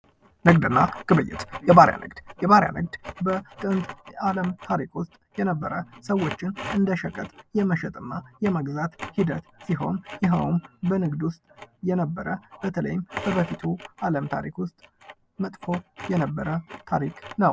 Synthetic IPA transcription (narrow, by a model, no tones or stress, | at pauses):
nɨɡd̪ɨnːaɡ̥ɨβɨjːɪ̰t̪jɛβaɾja̰nʔɨ̰ɡd̪̥jɛβaɾja̰nɨɡ̚d̪bək̪ʼɨnt̪ʼaləmt̪ʰaɾikwʊst̪ʼjɛnəbːəɾəsəwːo̞t͡ʃːɪnɨnd̪əʃɛkʼːət̪ʼjɛməʃɛt̪ʼɨnːajɛməɡzat̪hid̪ət̪siɦo̞̰njɪɦəwnbənɨɡd̪wʊst̪ʼjɛnəbːəɾəb̥ət̪ʰələ̰jɪmb̥əbəfit̪ʰuʔaləmt̪ʰa̰ɾḭkwʊst̪ʼ | mət̪ʼkʰo̞jɛnəbːəɾət̪ʰaɾiknəw